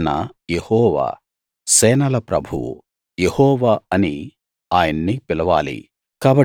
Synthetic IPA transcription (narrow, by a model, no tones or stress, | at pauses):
nɐ̰jehɔːʋa̰ː | sɛːnɐlɐpɾɐbʱuwṵ | jehɔːʋaːɐni | aːjɐnːipilɐʋa̰ːlḭ | kaːbɐ